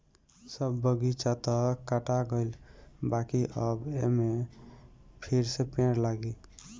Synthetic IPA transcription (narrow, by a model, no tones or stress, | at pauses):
səbːəɡit͡ʃat̪əkaʈaɡəɪlbakiʔəbeme | pʰiɾsepẽɾlaɡi